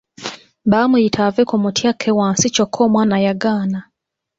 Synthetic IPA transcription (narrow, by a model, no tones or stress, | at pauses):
bamuitʰavekumutʰjakʰːewaːnsicokʰːoːmwaːnajaɡaːna